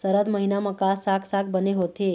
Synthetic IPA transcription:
səɾəd̪məɦinaməkasaksak̚bəneɦot̪e

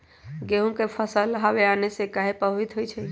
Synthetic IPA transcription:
ɡeɦũkepʰəsəlɦaʋeanesekaɦepəbit̪ɦojt͡ʃʰɛ

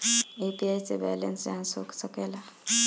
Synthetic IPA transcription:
epiajsebɛ̰lensd͡ʒaãnso̰ksəkela

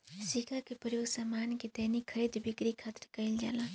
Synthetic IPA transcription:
sikakepəjoɡsamanked̪əɦnikʰːəɾid̪bikɾikʰat̪ɾəkəɪld͡ʒa̰ːla

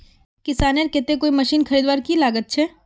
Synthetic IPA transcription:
kɪsaːneɾkɪt̪ẽkoːimɐʃiːnxʰɐɾiːd̪ʋaːɾkilaːɡət̪̚t͡ʃʰɛː

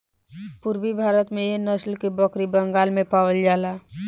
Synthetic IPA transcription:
pʊɾbibʱaːɾət̪mẽjenəslkibɔkɾibəŋɡaːlmẽpaːwəld͡ʒaːlaː

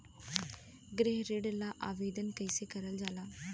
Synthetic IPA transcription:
ɡɾeɦɾeɖlaʔaːʋeːd̪ənkɐɪsekɐɾəld͡ʒaːlaː

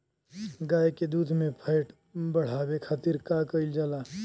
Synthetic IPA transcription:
ɡaːjked̪uːd̪ʱmẽpʰəɪʈ | bəɽ̤aːwekʰaːt̪iɾkakəɪld͡ʒaːla

